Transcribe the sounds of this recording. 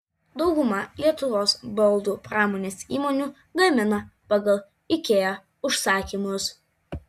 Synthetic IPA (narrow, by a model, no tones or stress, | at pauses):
d̪ɒʊɡʊmɑlʲiɛt̪ʊʋoːsbɔlˠd̪uːpɾɑːmoːnʲeːsiːmɔːnʲuː | ɡɐmʲɪnɐpɑɡɐlˠ | ɪkʲeːjɛ | ʊʃsɑːkʲimʊs